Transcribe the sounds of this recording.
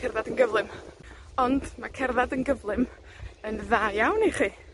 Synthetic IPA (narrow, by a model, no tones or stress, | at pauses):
kʰɛrðadənɡəvlˠɨm | ɔndmakʰɛrðadənɡəvlˠɨm | ənðaːjawniχiː